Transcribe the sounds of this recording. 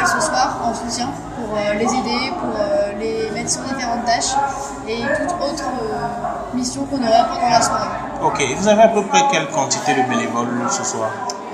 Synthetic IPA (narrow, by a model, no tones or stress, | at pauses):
səswaʁɑ̃sut̪jɛ̃ | puʁølezed̪epuʁølemat̪jiɔ̃ʁd̪ifeʁɑ̃t̪̚t̪aʃ | et̪ut̪ot̪χə | misjɔ̃kɔ̃nɔʁapɔʁd̪ɑ̃lasaʁ | okʲeːvuzaveapəpχɛkʲɛlkɑ̃t̪it̪ed̪əbenevɔlsəswa̰ːʁ